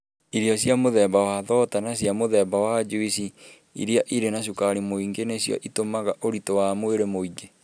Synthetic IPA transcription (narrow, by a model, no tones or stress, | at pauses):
iɾiɔsjamoðɛbawaðɔtanasjamoðɛbawad͡ʒuisi | ḭɾiaʔiɾenaɕ̬ukaɾimoiŋɡenesjɔ̰ʔitomaɣaʔoɾitowamweɾemoiɡe